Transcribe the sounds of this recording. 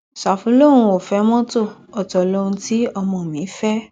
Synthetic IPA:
sa˨fũ˨˦lõ˦˨ũ˧˦o˨fɛ˨˦mɔ̃˦to˦˨ɔ˨tɔ˨lo˦ũ˧ti˦ɔ˧mɔ̃˧˨mĩ˨˦fɛ˦

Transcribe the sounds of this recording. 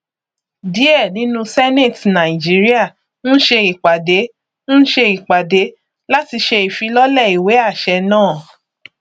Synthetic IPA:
di˨˦ɛ˦˨nĩ˨˦nũ˧sɛ˦ne˦˨tnã˨ĩ˨d͡ʒi˨˦ɾi˦a˦˨ | n̩˦ʃe˧i˨k͡pa˨de˨˦ | n̩˦ʃe˧i˨k͡pa˨de˨˦ | la˦ti˧ʃe˧i˨fi˧˦lɔ˦lɛ˦˨i˨we˨˦a˦˨ʃɛ˧nãː˦˨

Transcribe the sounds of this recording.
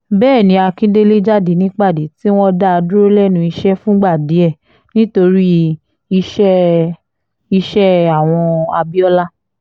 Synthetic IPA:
bɛː˦˨nĩ˨˧˦a˧kĩ˦de˦le˦d͡ʒa˦˨de˨˦nĩ˦k͡pa˦˨de˨˦ti˦w̃ɔ̃˦da˦a˧du˦ɾo˦lɛ˦˨nũ˧˦i˧ʃɛ˦fũ˦ɡ͡ba˦˨de˨˦ɛ˦˨ | nĩ˦to˧ɾi˦ | i˧ʃɛ˦ | i˧ʃɛ˦a˦˨w̃ɔ̃˧a̰˧bi˦ɔ˦la˦

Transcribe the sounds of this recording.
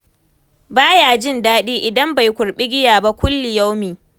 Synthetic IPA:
baː˦jaː˨d͡ʒɪ˦ndaː˦ɗiː˦ʔɪ˨dɐ˦mba˨jkʷʊ˨ɽɓɪ˦ɡʲɪ˦jaː˨ba˦kʷʊ˦lːɪ˨ja˦wmiː˨

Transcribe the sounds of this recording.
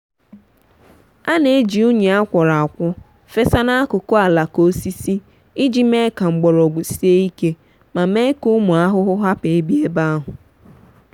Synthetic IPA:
a˦ne˨˦d͡ʒi˨ʊ˦ɲe˨a˦kʷɔ˨ɾa˨a˨kʷʊ˦ | fe˦sa˦na˦a˦kʊ˨ko˦a˨la˨ko˦si˦si˦ | i˦d͡ʒi˦me˦ka˨ŋ͡m̩˨ɡ͡bɔ˨ɾɔ˨ɡ͡bu˨si˦e˦i˦ke˦ | ma˨me˦kʊ˦mʊ˨a˦ɦʊ˦ɦʊ˦ɦa˦pe˨e˦bi˦e˦ba˦a˦ɦʊ˨

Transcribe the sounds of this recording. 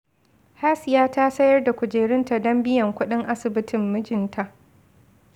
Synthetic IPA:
haː˦sɪ˨jaː˦ta˦sɐ˦jɐ˦rda˨kʷʊ˨d͡ʒeː˨ɽɪ˦nta˨dɔ˦mbɪ˦jɐ˨ŋkʷʊ˦ɗɪ˦ŋʔa˦sɪ˨bɪ˦tɪ˨mːɪ˦d͡ʒɪ˨ntʰa˨ʔ

